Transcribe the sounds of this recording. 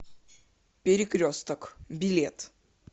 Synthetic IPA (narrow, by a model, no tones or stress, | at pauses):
pʲeɾʲɪkɾʲost̪əkbʲɪlʲet̪